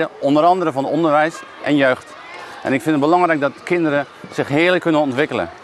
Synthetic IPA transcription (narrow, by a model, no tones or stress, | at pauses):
əʔɔndəɾɑndərəvɔnɔndəɹʋɛjs | ʔɛnjøːxt | ʔɛ̰nɪkfɪnət̚bəlɑŋrɛjk̚dɔtkʰɪndəɾə | z̥ɪxɦɪələkʰːønənɔntʋɪkələ̰